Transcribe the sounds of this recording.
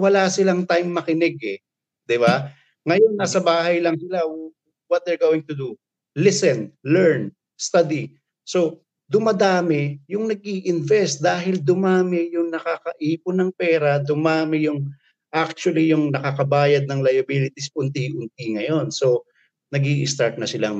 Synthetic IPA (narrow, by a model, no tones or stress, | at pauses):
wɐlasɪlaŋt̪ajmːɐkɪnɛɡɛ | d̪ɪβa | ŋɐjo̞nːasɐbaːɦɐjlɐŋsɪla | wɔt̪̚d̪ɛɹɡowɪŋt̪ʊd̪u | lɪsɛnlɛɹn | st̪ad̪i | so̞ | d̪ʊmɐd̪aːmɪjʊŋnɐɡ̚ʔiːʔɪnvɛst̪̚d̪aːɦɪld̪ʊmaːmɪjʊŋnɐkakɐʔiːpʊnɐŋpɛːɾɐd̪ʊmaːmɪjʊŋ | ʔak̚t͡ʃwɐlijʊŋnɐkakɐbaːjɐd̪̚nɐŋlɐjɐbilɪt̪ispʊnt̪iʔʊnt̪̚iŋɐjo̞nso̞ | nɐɡiːʔɪst̪aɹt̪̚nɐsɪla